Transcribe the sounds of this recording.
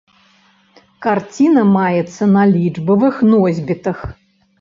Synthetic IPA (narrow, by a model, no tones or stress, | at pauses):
kart͡sʲinɐmajɛt̪sːɐnalʲid͡ʐbɐvɨxnɔzʲbʲit̪ɨx